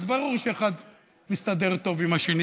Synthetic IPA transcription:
zbaʁuʁʃeeχad̪ | mist̪ad̪e̞ʁt̪o̞vimaʃeni

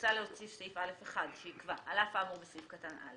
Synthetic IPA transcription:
t͡saleot͡sisiifalefeχadʃeikvaalafaːmuʁbesifkatanʔa̰le

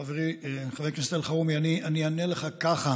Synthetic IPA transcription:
aveʁieχaveknist̪elχaumianiʔanianeleχakaχa

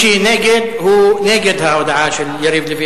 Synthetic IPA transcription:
iːneːɡɪd̪huːneːɡɪd̪hawd̪aʕaːʃɪljaɾiːblːifi

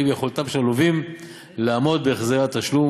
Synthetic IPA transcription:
imjeχolt̪amʃaluvim | laːmo̞d̪beːχzeʁat̪aʃlu

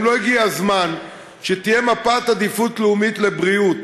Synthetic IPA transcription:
lo̞iɡiazman | ʃet̪ije̞mapat̪ad̪ifut̪leumit̪le̞bʁiut̪

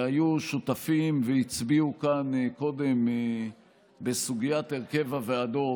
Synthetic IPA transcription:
ajuʃut̪afimveit͡sbiukanko̞d̪e̞m | besuɡijat̪eʁke̞vavead̪o̞

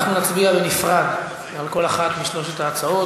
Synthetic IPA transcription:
χnunat͡sbiavenifʁad | alko̞laχat̪miʃlo̞ʃ̬et̪aːt͡sao

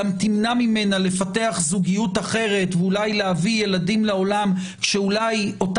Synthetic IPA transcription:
amt̪imnamime̞nale̞fate̞aχzuɡijutaχe̞ʁe̞tveulajleavije̞ladimlao̞lam | kʃeulajo̞t

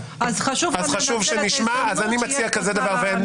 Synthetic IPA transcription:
azχaʃuvazχaʃuvʃeniʃmaazanimat͡siakazed̪avaʁven

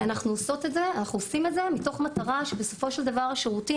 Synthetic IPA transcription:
anaχnuoso̞t̪e̞tzeanaχnuosimetze̞mito̞χmat̪aʁaʃebeso̞fo̞ʃeld̪avaʁaʃeʁuti

